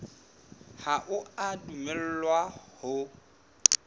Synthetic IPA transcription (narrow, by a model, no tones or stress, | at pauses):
haʔʊadumɛl̩lwahʊ